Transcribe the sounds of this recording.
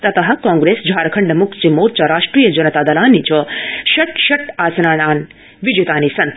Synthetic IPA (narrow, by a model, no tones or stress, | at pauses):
t̪ɐt̪ɐɦɐkɔ̃ŋɡɾesd͡ʒʱaɾkʰəɳɖəmukʰt͡ʃimoːɾt͡ʃɐɾaːʂʈɾijəd͡ʒɐnət̪aːd̪ɐlaːnːit͡ʃʰɔʃɐʈʃɐʈaːsnaɽ̃aːn | ʋid͡ʒut̪anisɐnt̪